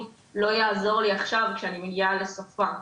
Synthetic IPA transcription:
lo̞jaːzo̞ʁliaχʃavkʃeanimeɡiale̞sofa

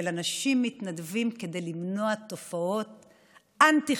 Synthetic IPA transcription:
elanaʃimːitnadvimked̪e̞jlimno̞ato̞fao̞t̪̚ | ʔant̪i

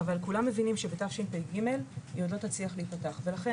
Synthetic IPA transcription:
valkulamːe̞vinimʃebetafʃinpeɡime̞ljod̪lo̞tat͡sliaχleitpataχve̞laχe

